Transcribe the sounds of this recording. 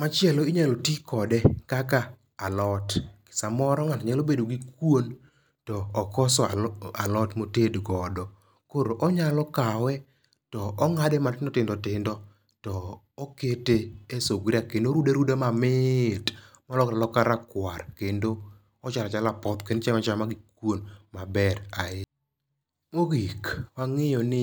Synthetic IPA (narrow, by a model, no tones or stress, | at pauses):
mat͡ʃɪɛloiɲalotikɔdɛkakaː | lɔtkɪ̥samɔɾɔŋatɲalobedoɡikwon | tɔːkɔsɔalɔtmotedɡɔdɔ | koɾoʔɔɲalɔkawɛ | tɔɔŋadɛmatɪndɔtɪndɔtɪndɔ | tɔː | keteesoɡɾakendoɾudeɾudamamɪtmɔlɔkalɔkaɾakwarkendo | ɔt͡ʃalat͡ʃalapɔt̪kent͡ʃɛmat͡ʃamaɡikwonmabɛɾaɪ | moɡikwaŋɪjɔnɪ